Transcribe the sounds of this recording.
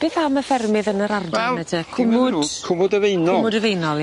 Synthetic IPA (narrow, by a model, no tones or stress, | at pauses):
b̥eːθaməfɛrmɪðənəɾardwaɛlɛtʰəkʰʊmʊd̥kʰʊmʊdəvejnɔmʊdəvejnɔlˠj